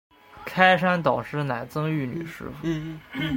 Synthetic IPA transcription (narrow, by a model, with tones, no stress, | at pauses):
kʰa˥ɪʂa˥nt̪ɑ˨˩ʊʂɻ̩˥˩na˨˩ɪt͡sɤ˥ŋy˥˩ny̰˨˩ʂɻ̩̰˥fu˨˩